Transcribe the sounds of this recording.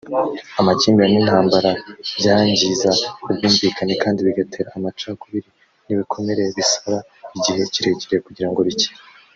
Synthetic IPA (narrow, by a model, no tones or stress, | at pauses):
amaciːmbiɾaninhaːmbaɾaβɟaɲɟizakubɡuːɱvikanekaːndiβiɡatʰe̞ːɾaːmat͡ʃakuβiɾi | niβikʰo̞me̞ɾe̞βisoɾa | iɟihe̞ciɾe̞ɟeɾejekuɟiɾaŋɡo̞βici̥ɾ